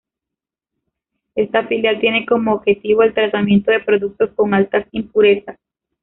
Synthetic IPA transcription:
e̞st̪afiljalt̪je̞ne̞ko̞moːβxe̞t̪iβoelt̪ɾat̪amje̞nt̪o̞ðe̞pɾo̞ðuk̚t̪o̞sko̞ŋalt̪asimpuɾe̞sas

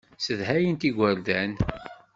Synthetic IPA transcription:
səðɦæjənt̪iɡʷəɾd̪æn

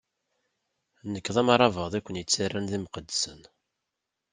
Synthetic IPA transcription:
nəkːðˤɑmɑɾˤɑvəðˤikʷːənjət͡sːirːænðimqəd̪ːsən

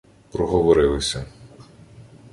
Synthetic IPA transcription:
pɾɔɦɔʋɔɾɪlˠɪsʲɐ

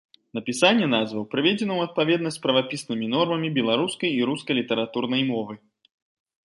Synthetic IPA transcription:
nɐpʲisanʲːɛnazvɐwpɾɨvʲɛd͡zʲɛnɐwɐt̪̚pavʲɛd̪nɐsʲt͡s̪ʲpɾɐvapʲisnɨmʲinɔrmɐmʲibʲɛlˠaɾuskɐjiɾuskɐlʲit̪ɐɾat̪urnɐjmɔvɨ

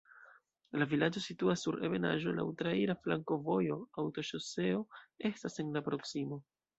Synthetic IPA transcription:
lavilad͡ʒo̞situasːuɾeve̞na̰ʒo̞̰la̰wtɾaiɾaflaŋko̞vo̞jo̞awto̞ʃose̞o̞e̞stase̞nlapɾo̞ksimo̞

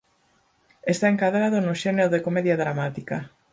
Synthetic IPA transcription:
est̪aeŋkaðɾaðonʊʃeneɾoðekomeðjaðɾamat̪ika

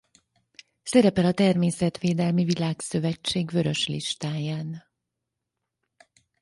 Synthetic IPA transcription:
sɛɾɛpɛlɒt̪ɛrmeːsɛt̪ʋeːd̪ɛlmivilaːksø̞vɛt͡ʃːeːɡvø̞ɾø̞ʃlḭʃt̪aːjaːn

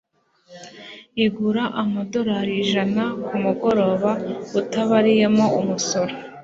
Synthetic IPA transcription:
iɡuɾaʔamado̞ɾaɾiʒanakumuɡo̞ɾo̞ːβautaβaɾijemo̞umuso̞ɾe

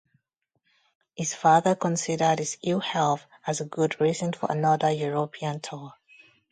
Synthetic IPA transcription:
hɪz̥fɑðəkə̃nsɪdə˞dɪzɪlˠhɛlˠθ | əzəɡʊdɹizə̃nfə̰ɹʔə̰nʌðəjuɹopʰiə̃ntʰɔ

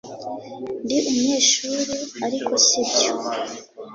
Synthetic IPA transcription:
ndiʔumuɲe̞ːʃuɾuaɾikʰo̞sibɟo

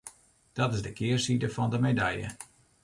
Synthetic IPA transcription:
d̥ɔtɪzdəkɪːrsidəfɑndəmedɛjə̰

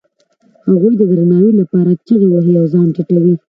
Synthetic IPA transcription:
haɣujd̪əd̪ɾanɑwilapɑɾat͡ʃəɣewaɦeawzɑnʈaʈawi

